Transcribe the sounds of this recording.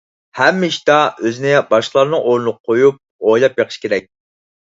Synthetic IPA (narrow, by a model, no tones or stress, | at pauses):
hɛmːɪʃi̥t̪ɑøzɪnɪbɑʃqəlˠɑɾnɨŋʔoɾnlˠqʰojup̚ojlˠɑpjeqʰə̥ʃkʲʰeɾɛk̚ʲ